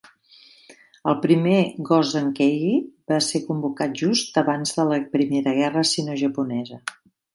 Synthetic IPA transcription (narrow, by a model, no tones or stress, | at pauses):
əlˠpɾimeɣɔzðəŋkɛɣibasekumbukat̪̚ʒust̪əβanzðələpɾimeɾəɣ̞ɛrəsinoʒəpunɛzə